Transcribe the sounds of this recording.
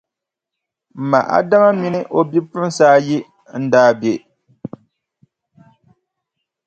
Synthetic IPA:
m̩˨ma̰˨ʔa̰˦da˦ma˦mi˦nɨ˦ʔo˨bi˦pɨ˦m˦saː˦ji˦ | n̩˦daː˦be˨

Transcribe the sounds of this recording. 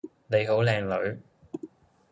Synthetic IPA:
ne˨˧jɦo˨˥wlɛː˨˧ŋlɵ˨˧ɥ

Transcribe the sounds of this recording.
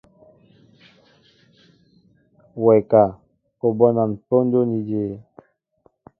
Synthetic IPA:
wɛ˨ka˨ | o˨bɔ˦na˨npo˦n˦do˦ni˨d͡ʒe˦˨

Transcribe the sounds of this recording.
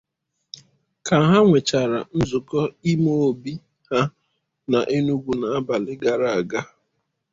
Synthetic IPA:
ka˨ɦa˦ŋʷe˨t͡ʃa˨ɾa̰˨n̩˦zʊ˨kɔ˦i˦mo˦o˨bi˦ | ha˦ | na˨ʔe˦nu˦ɡʷu˨na˨a˦ba˨lɪ˦ɡa˨ɾa˨a˨ɡa˦

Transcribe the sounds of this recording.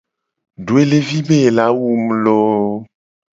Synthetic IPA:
ɖo˨e˦le˦vi˦be˦˨la˨˦wu˦˨m˨lo˦

